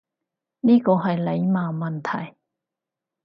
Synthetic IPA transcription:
niː˥kɔː˧ɦɐ˨jle˨˧jmaː˨mɐ˨nt̪ʰɐ˨˩j

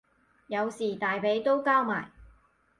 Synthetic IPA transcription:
jɐ˨˧wsiː˨˩t̪aː˨jpe˨˧˥jt̪o˥wkaː˥wma̰ː˨˩j

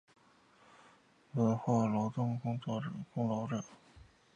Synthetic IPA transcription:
wə˥˩xwa˥˩lɑ˧˥ʊt̪ʊ˥ŋkʊ˥ŋt͡swɔ˥˩ʈ͡ʂɤ˨˩kʊ˥ŋlɑ˧˥ʊʈ͡ʂɤ˨˩˦

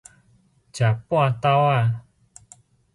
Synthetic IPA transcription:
t͡ɕa˨pwã˥˧t̪a˦wa˥˧˨

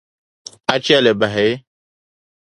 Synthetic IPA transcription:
a˦t͡ʃi˦a˦˨lɛ˨ba˨ɦɛ˨e˦

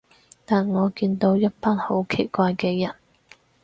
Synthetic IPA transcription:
t̪aː˨nŋɔː˨˧kiː˧nt̪o˨˧wjɐ˥t̚paː˥nho˨˥wkʰe˨˩jkʷaː˧jkɛː˧jɐ˨˩n

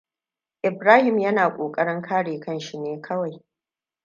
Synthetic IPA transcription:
ʔɪ˨bɾaː˦hɪ˨mjɐ˦naː˨kʷʼoː˨kʼɐ˦ɽɪ˦ŋkʰaː˦ɽeː˨kɐ˦˨nʃi˦neː˦kʰɐ˦wa˨j

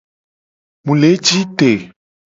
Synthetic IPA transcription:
mũ˨le˨˦d͡ʒi˦t̪e˨

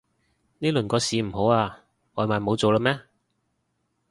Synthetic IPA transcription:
niː˥lɵ˨˩nkɔː˧siː˨˧m̩˨˩ɦo˨˥waː˧ | ŋɔː˨˧maː˨nmo˨˧wt͡so˨wləː˧˥mɛː˥

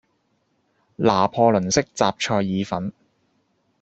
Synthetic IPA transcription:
laː˨˩pʰɔː˧lɵ˨˩nsɪ˥k̚t͡saː˨p̚t͡ʃʰɔː˧jːiː˨˧fɐ˨˥n

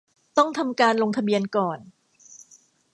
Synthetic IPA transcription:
t̪ɔ˥˩ŋt̪ʰa˧mkaː˧nlo˧ŋt̪ʰa˧bi˧ənkɔː˨˩n

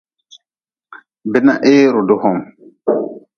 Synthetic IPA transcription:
bɛ˦na˦ʔeː˦ɾɔ˨dɔ˦hɔ˨m

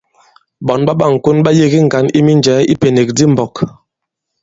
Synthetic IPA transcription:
ɓɔ˨nɓa˦ɓa˦˨ŋ̩˨ku˦nɓa˦je˦ɣi˦ŋ̩˨ɡa˨ni˦mi˦nd͡ʒɛː˨˦i˦pe˨ne˨k̚di˦m̩˨bɔ˨k

